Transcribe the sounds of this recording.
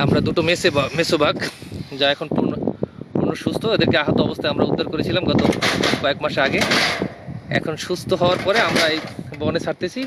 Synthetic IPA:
amɾad̪uʈomesemesobʱaɡd͡ʑaɛkʰonpuɾnopuɾnoʃust̪ʰoed̪eɾkeaɦat̪oɔbost̪ʰaeamɾaud̪ʱːaɾkoɾet͡ɕʰilamɡɔt̪okɔekmaʃeaɡe | ɛ̰kʰonʃust̪ʰoɦɔoaɾpɔɾeamɾaejbɔnet͡ɕʰaɾt̪et͡ɕʰi

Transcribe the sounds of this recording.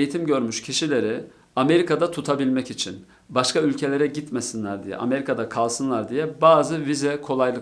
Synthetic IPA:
jit̪ʰimɟø̞ɾmyʃcʰiʃilʲe̞ɾi | ame̞ɾikʰad̪at̪ʰut̪ʰabilʲmɛcit͡ʃʰin | baʃkʰaylʲcʰe̞lʲe̞ɾɛɟit̪mesinlʲæɾd̪ijɛ̰ʔa̰me̞ɾikʰad̪akʰalˠsɯnlˠaɾd̪ijɛbaːzɯvizɛkʰo̞lˠajlˠɯ

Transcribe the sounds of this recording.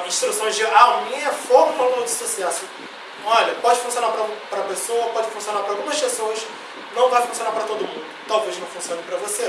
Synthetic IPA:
ĩʃt̪ɾusõj̃zd͡ʒɪamĩɲɐfomɐ̃alũnɐd͡ʒɪsusɛsʊ | ɔʎɐpɔd͡ʒɪfũsionaɾpɾɐpɾɐpesowɐpɔd͡ʒɪfũsionaɾpɾawɡũmɐʃkesoɐs | nɐ̃w̃vajfũsionaɾpɾɐt̪od̪ʊmũd̪ʊʊt̪awveʒnɐ̃w̃fũsiõnɐpɾɐvose

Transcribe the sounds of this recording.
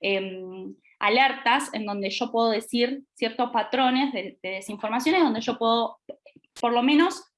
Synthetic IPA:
em | a̰leɾt̪ase̞nd̪o̞nd̪eʒo̞pwe̞ðoð̞e̞siɾsjeɾt̪o̞hpat̪ɾo̞ne̞zðeðe̞ðe̞siɱfo̞ɾmas̬jo̞neðond̪eʒo̞pwe̞ðo̞ | po̞ɾlo̞mẽno̞s

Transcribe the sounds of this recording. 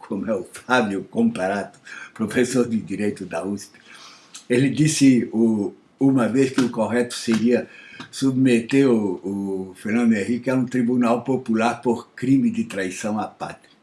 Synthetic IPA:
kʰomʊɛʊfabjʊkõmpaɾat̪ʊpɾofesoɾd̪ɪd̪iɾejt̪ʊd̪auspi̥ | elɪd̪isɪʊ | umɐveskɪʊkoʁɛt̪ʊ̥seɾiɐsubmet̪eɾʊː | feɾnɐ̃nd̪ẽhikɪɛɾũt̪ɾibunawpopulaɾpoɾkɾimɪd̪ɪt̪ɾajsɐ̃w̃apat̪ɾɪ

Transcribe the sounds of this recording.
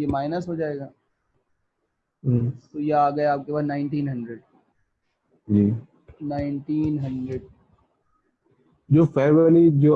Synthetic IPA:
jemaːɪnəsɦoːd͡ʒaːeːɡaː | t̪ojaaːɡɐeaːp̚kepaːd̪naːɪ̃ɳʈiːnɦɐ̃ɳɖɾeɖ̚ | d͡ʒiː | naːɪnʈiːnɦɐ̃ɳɖɾeɖ | d͡ʒoːfɛːʋəɾid͡ʒoː

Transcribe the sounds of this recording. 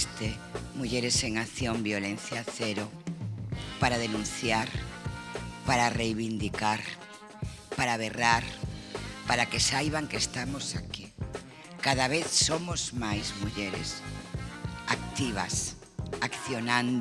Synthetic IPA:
st̪e | muʎeɾeseŋaθjombjolen̟θjaθeɾo | paɾaðenũn̟θjaɾ | paɾarejβind̪ikaɾ | paɾaβ̞eraɾ | paɾakesajβaŋkest̪amosaki | kaðaβeθsomozmajzmuʎeɾɪ̰s | ak̚t̪iβ̞as | akθjonãnd̪

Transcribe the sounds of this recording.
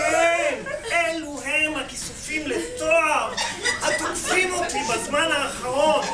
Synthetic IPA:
emʔeluɦemhakisufimlestoaʁhat̪okfimot̪ibazmanaːχaʁo̞t

